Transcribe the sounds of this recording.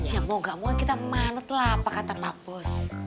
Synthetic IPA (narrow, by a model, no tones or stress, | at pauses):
jamoŋɡaʔmuakit̪amanʊt̪lapakat̪amab̥ɔs